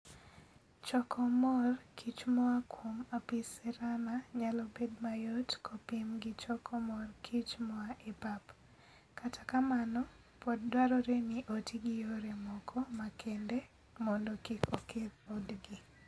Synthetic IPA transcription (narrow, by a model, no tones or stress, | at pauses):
t͡ʃɔkʰɔmɔrkʰit͡ʃmɔakwomapisɛɾanaɲalɔbedmajɔtkʰopimɡɪt͡ʃɔkʰɔmɔrkʰit͡ʃmɔaʔepap | katakamanɔ | pɔddwaɾɔɾenɪʔotiɡɪjoɾemɔkʰɔmakʰende | mɔndɔkikokʰedodɡi